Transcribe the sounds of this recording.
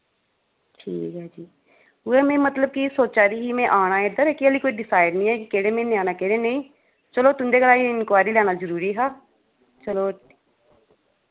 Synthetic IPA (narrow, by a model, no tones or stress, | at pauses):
ʈʰḭːkɦɛːd͡ʒiː | ʊemẽːmət̪ləb̚kisoːt̪̚t͡ʃaːɾiɦimẽʔaːnaːed̪əɾɛːkiəliːkoːiɖɪsaːɪɖnĩːɦɛːkikeːɾẽːmẽːnĩaːnakeɾẽnəĩː | t͡ʃəloːt̪ʊnd̪eːɡəlaːiɪnkwaːɾilɛːnaːzəɾuːɾiːɦaː | t͡ʃəloː